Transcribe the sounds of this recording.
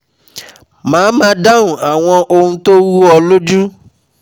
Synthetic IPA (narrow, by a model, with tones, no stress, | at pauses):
mãː˨˦ma˨da˦ŋʊ˨a˨ŋʷɔ˦ʔo˦n̩˦to˦wu˦ɔ˨lo˦d͡ʒu˦